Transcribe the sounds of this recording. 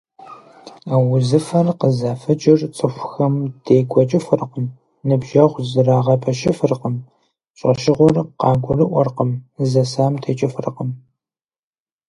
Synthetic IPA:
awʊzɨfɐrqəzaːfɐd͡ʒʼɪrt͡sʼɨxʷʊxɐmd̥eːɡʷɔt͡ʃʼɪfɨrqəm | nɨbʒɐʁʷzɨraːʁɐpʰɐʃɪfɨrqəm | ɕʼɐ̰ʃɪʁʷɔrqɑːɡʷʊrɨʔʷɔrqəmzɐsaːmtʰet͡ʃʼɪfɨrqəm

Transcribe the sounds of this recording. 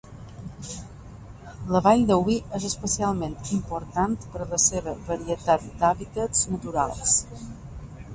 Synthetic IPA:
ləβaʎd̪əwiʔezəspəsialˠment̪impoɾt̪ant̪pəɾləseβəβəɾiət̪at̪̚d̪aβit̪əznət̪uɾa̰lˠs

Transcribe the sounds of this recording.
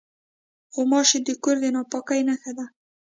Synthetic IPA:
ɣomɑʃed̪əkoɾd̪enɑpɑkajnaxad̪a

